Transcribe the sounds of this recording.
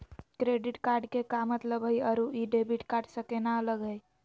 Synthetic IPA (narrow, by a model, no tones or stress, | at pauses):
kɾeɖiʈkaɾɖkekamət̪ləbɦəjəɾuʔiɖebiʈkaɾɖsəkenaələɡəj